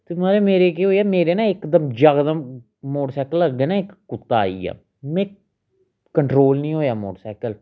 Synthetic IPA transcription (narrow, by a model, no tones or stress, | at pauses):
t̪ɪmaːɾeːmeːɾeːk̬eːɦoːiɛːmeːɾeːnãːɪkd̪əmd͡ʒəɡd̪əm | moːɽsɛːkələɡːeːnãːɪkːʊt̪ːa̰ːḭːa̰ː | mɛ̃ː | kəɳʈɾoːlnĩːɦoːjaːmo̰ːʈsɛːkəl